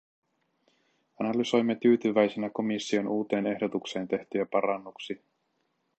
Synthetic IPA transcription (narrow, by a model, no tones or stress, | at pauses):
ɑnɑlyso̞jmːet̪yːt̪yʋæjsenæko̞misːio̞nʔuːt̪e̞ːne̞hdo̞t̪ukse̞ːnt̪e̞ht̪yæpɑɾɑnːuksi